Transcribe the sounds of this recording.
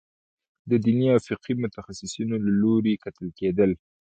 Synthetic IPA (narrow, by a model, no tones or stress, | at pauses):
d̪əd̪iniafɪqimʊt̪axasɪsunolaloɾekat̪əlked̪əl